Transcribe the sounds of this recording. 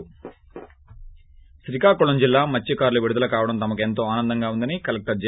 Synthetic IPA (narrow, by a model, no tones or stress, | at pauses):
sɾikaːkoɭɐɲd͡ʒilːaːmɐt͡ʃːikaːɾluʋiɽud̪ɐlɐkaːʋɐɽɐmt̪ɐmɐk̬e̞nt̪o̞ːaːnɐnd̪ɐŋɡaːund̪ɐnikɐlek̚ʈɐɾd͡ʒ